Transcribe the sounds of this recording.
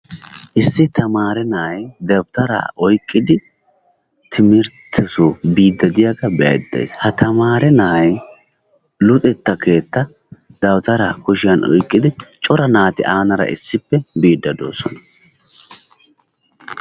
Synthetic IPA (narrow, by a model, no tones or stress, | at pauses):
ʔɪsːɪt̪ʰɐmaːɾɛnɐhɐjd̪ɐwt̪ɐɾa̰ːʔɔjkʼːɪd̪ɪ | t̪ʰɪmɪɾt̪ʰːɛsubiːd̪ːɐd̪ɪjaɡɐbɛɐ̰jd̪ːḛshɐt̪ʰɐmaːɾɛnɐɐj | lʊt̪ʼɛt̪ːɐke̞ːt̪ːɐ | d̪̥ɐwt̪ɐɾakʊʃɪjɐnɔ̰jkʼːɪd̪ɪt͡ʃʼɔɾɐnaːt̪ɪ̰ʔaːnɐɾɐ̰ʔɪ̰sːɪpːɛbiːd̪ːɐd̪o̰ːsɔ̰nɐ̥